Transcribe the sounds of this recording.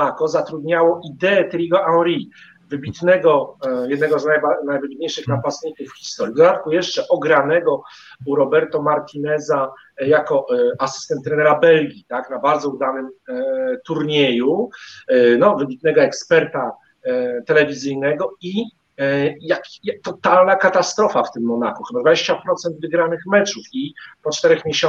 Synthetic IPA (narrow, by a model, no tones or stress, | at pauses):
akɔzat̪ɾud̪ɲawɔʔid̪ɛːt̪ɾʲiɡɔʔawɾi | vɘbʲit̪nɛɡɔjɛd̪̚nɛɡɔznajbanajvɘbʲit̪̚ɲejʂɘxnapasik̪ɨfxʲi̥st̪ɔɾʲjid̪d̪at̪̚kujɛʂt͡ʂɛʔɔɡɾanɛɡɔ | uɾɔbɛɾt̪ɔmaɾt̪ʲinɛza | jakɔasɘ̥st̪ɛnt̪ːɾɛnɛɾabɛlɡʲit̪aknabaɾd̪zɔud̪anɘm | t̪uɾɲeju | nɔvɘbʲit̪̚nɛɡɔɛkspɛɾt̪a | t̪ɛlɛvʲizɘjnɛɡɔi | jakjat̪ɔt̪alnakat̪ast̪ɾɔfaft̪ɘmːɔnakuxɘbad̪vad͡ʑeɕt͡ɕapɾɔt̪sɛnd̪vɘɡɾanɘxmɛt͡ʂufipɔt͡ʂt̪ɛɾɛxmʲjeɕɔ